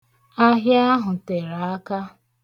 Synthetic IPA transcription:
a˦ɦja˦ɦʊ˨te˨ɾa˨a˦ka˦

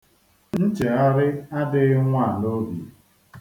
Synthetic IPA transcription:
n̩˦t͡ʃe˨a˦ɾɪ˦a˦dɪ˦ŋʷa˦˨no˦bi˨

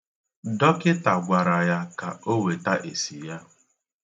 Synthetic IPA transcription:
dɔ˦kɪ˦ta˨ɡʷa˨ɾa˨ja˦ka˨o˦we˨ta˦ʔe˨si˨ja˦

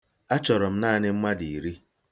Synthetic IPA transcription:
a˦t͡ʃɔ˨ɾɔ˨m̩˦na˦˨nɪ˦m̩˦ma˦di˨i˨ɾi˦

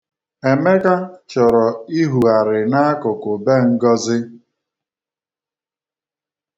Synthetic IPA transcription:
e˨me˦ka˦t͡ʃɔ˨ɾɔ˨i˦ɦu˨a˨ɾɪ˨na˦a˦kʊ˨kʊ˨be˦˨ŋ̩˦ɡɔ˦zɪ˦

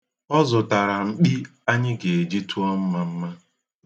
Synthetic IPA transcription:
ɔ˦zʊ˨ta˨ɾa˨ŋ͡m̩˨k͡pi˦a˦ɲɪ˦ɡe˨e˨d͡ʒi˦tu˦ɔ˦m̩˦ma˦m̩˦ma˦

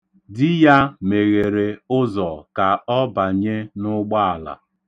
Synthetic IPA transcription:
dɪ˦ja˦me˨ɣe˨ɾe˨ʊ˦zɔ˨ka˨ɔ˦ba˨ɲe˦nʊ˦ɡ͡ba˦a˨la̰˨

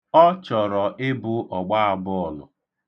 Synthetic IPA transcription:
ɔ˦t͡ʃɔ˨ɾɔ˨ʔɪ˦bʊ˦ʔɔ˨ɡ͡ba˦a˨bʊ˦ɔ˨lʊ̰˨

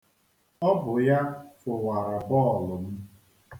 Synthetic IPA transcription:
ɔ˦bʊ˨ja˦fʊ˨wa˨ɾa˨bɔ˦˨lʊ˨m̩˦

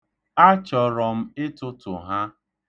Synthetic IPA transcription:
a˦t͡ʃɔ˨ɾɔ˨m̩˦ɪ˦tʊ˦tʊ˨ɦa˦

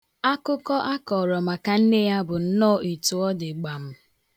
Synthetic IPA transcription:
a˦kʊ˦kɔ˦ʔa˦kɔ˨ɾɔ˨ma˨ka˨n̩˦ne˦ja˦bʊ˨n̩˦nɔː˦˨i˨tu˨ɔ˦dɪ˨ɡ͡ba˨m̩˦

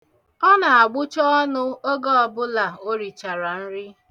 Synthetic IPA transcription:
ɔ˦na˨a˨ɡ͡bʊ˦t͡ʃɔ˦ɔ˦nʊ˦o˦ɡɔ˦ɔ˨bʊ˦la˨o˦ɾi˨t͡ʃa˨ɾa˨n̩˦ɾɪ˦

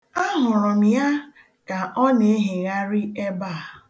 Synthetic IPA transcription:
a˦ɦʊ˨ɾʊ˨mi˨˦a˦ | ka˨ʔɔ˦ne˨e˦ɦɪ˨ɣa˦ɾi˦e˦ba˦˨

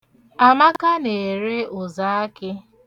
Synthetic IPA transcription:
a˨ma˦ka˦ne˨ɾe˦ʊ˨za˨˦a˦kɪ˦

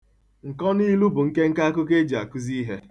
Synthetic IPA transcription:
ŋ̩˨kɔ˦ni˦lu˦bʊ˨ŋ̩˦ke˦ŋ̩˦ka˦a˦kʊ˦k̬e˦d͡ʒi˨a˨ku˦zi˦ɦe˦

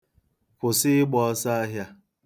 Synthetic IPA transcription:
kʷʊ˨sɪ˦ɪ˦ɡ͡bɔ˨ɔ˦sa˦a˦ɦja˦

